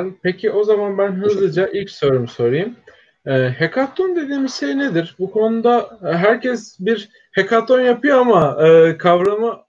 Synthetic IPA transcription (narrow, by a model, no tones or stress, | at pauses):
lpecʰiʔo̞zamanbænɦɯzlˠɯd͡ʒaʔilʲcsøɾumso̞ɾejɯm | ɯːhekʰat̪ʰːond̪e̞d̪iːmizsened̪iɾbukʰo̞nud̪aɦæɾcʰɛsbiɾ | hekʰat̪ʰːo̞njapʰɯjoamaɯːkʰavɾamɯ